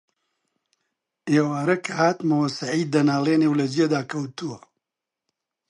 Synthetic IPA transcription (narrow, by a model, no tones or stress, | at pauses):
ʔeːwaːɾɐkʰɐhaːt̪mɐwɐsɐʕiːd̪̚d̪ːɐnaːlˠeːnewlɐd͡ʒed̪aːkʰɐwt̪uwɐ